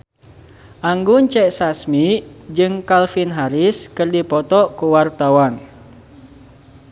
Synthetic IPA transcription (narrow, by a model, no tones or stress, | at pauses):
ʔaŋɡuɲt͡ʃɛʔsasmid͡ʒɨŋkalfinɦaɾiskɨrdipɔt̪ɔʔkuwart̪awan